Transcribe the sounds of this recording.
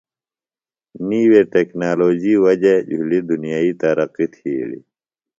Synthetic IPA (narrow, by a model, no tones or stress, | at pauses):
niːweʈeknaːloːd͡ʑiːwɐd͡ʑed͡ʑʱulid̪unijaːiːt̪ɐɾɐqit̪ʰiːlḭ